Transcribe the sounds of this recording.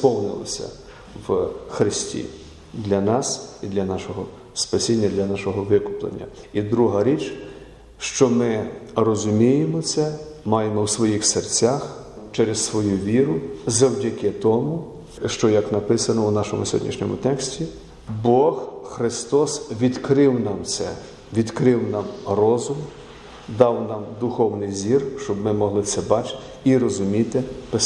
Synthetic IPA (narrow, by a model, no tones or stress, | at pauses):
spɔwnɪ̰lˠɐ̰sʲɐ̰ | wxɾɪsʲtʲḭ | d̪lʲɐnɑsid̪lʲɐnɑʃɔɦɔ | spɐsʲinʲːɐd̪lʲɐnɑʃɔɦɔʋɪkʊplˠḛnʲːɐ̰id̪ɾuɦɐɾʲit͡ʃ | ʃt͡ʃɔmɪrɔzʊmʲijemɔt̪sɛmɑjemɔwsʋɔjixsert͡sʲax | t͡ʃɛɾessʋɔjuʋʲiɾʊzɐwdʲɐkɛt̪ɔmʊ | ʃt͡ʃɔjɐknɐpɪsɐnɔwnɑʃɔmʊsʲɦɔ̰dʲnʲḭʃnʲɔ̰mʊ̰t̪ɛksʲtʲi | bɔxxɾɪst̪ɔsʋʲid̪kɾɪwnɑmt̪sɛ̰ | ʋʲid̪kɾɪwnɑmrɔzʊm | d̪ɑwnɑmd̪ʊxɔwnɪjzʲirʃt͡ʃɔbmɪmɔɦlˠɪt̪sɛbɑt͡ʃɪ̥t̪ɪ̥ | iɾɔzʊmʲit̪ɪpɪ